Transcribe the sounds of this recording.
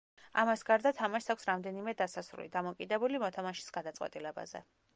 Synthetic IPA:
a̰masɡaɾd̪at̪ʰamaʃtsakʰʷsɾamd̪ɛnimɛd̪asasɾṵlḭd̪amɔkʼid̪ɛbulimɔt̪ʰamaʃi̥sɡ̥ad̪at̪sʼwɛ̰t̪ʼilɛba̰zɛ̰

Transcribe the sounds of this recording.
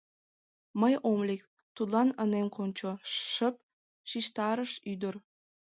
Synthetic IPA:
məjʔomlek̚ | t̪ud̪lɑnənemkonʲt͡ɕoʃəp̚ | ʃiʃt̪ɑɾəʃyd̪ər

